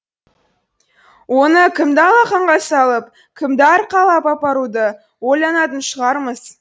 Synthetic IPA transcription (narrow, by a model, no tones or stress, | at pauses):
wo̞nəkʲʰɪmd̪ɑlˠɑqɑɴʁɑsɑlˠəp̚ | kʲʰɪmd̪ɑɾqʰɑlˠɑpɑpɑɾud̪ə | wolʲˠɑnɑt̪ənʃəʁɑɾməz̥